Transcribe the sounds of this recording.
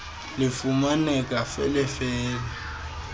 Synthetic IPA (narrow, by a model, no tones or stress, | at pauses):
lɪfumanɛkʼafɛlɪfɛːlɛ